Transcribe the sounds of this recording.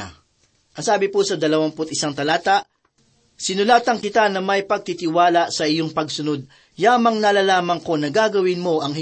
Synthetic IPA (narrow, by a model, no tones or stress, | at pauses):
ʔɐŋsaːbɪposɐd̪ɐlɐwaŋpʊt̪̚ɪsaŋt̪ɐlaːt̪ɐʔ | sɪnʊlaːt̪ɐŋkɪt̪anɐmɐjpɐɡ̚t̪it̪ɪwaːlaʔsɐʔɪjo̞ŋpɐɡsʊno̞d̪̚ | jaːmɐŋnɐlalaːmɐŋko̞nɐɡaːɡɐwɪnmo̞ʔɐŋh